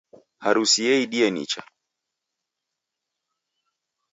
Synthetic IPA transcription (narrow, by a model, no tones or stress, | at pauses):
haɾusiɛiɗiɛnḭt͡ʃa̰